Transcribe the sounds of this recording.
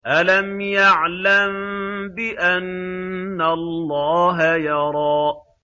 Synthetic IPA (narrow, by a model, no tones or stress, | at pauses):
ʔalamjaʕlambɪʔanː | alːɑːɦajɑɾˤɑːʔ